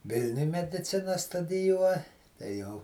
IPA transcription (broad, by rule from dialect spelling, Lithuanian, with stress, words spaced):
ˈʋʲɪlʲnʲʊj mʲɛdʲɪˈt͡sʲɪnɐ stʊdʲɪˈjuɔ tɐɪ ˈjɛʊ